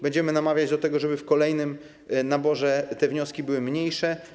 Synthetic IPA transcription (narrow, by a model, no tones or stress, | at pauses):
bɛɲd͡ʑɛmɘnamavʲjad͡ʑd̪ɔt̪ɛɡɔʐɛbɘfkɔlɛjnɘm | nabɔʐɛt̪ɛvɲɔskʲibɘwɘmɲejʂɛ